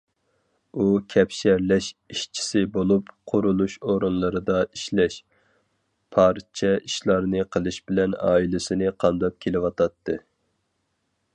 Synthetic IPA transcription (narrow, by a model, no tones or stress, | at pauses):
ukʲʰɛpʃæɾlɛʃiʃt͡ʃʰi̥sɪbolˠupqʰʊɾulˠuʃoɾɨnlˠɨɾɨd̪ɑi̥ʃlɛʃ | pʰɑɾt͡ʃʰɛiʃlˠɑɾnɨqʰəlˠɨʃbɪlɛnɑ̰ːilɪsɪnɨqʰɑmd̪ɑp̚kʲʰelɪwɑt̪ʰɑt̪ʰːɨ